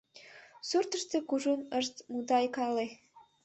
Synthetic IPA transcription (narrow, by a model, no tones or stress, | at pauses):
surt̪əʃt̪ĕkuʒunəʃt̪mud̪ɑjkɑle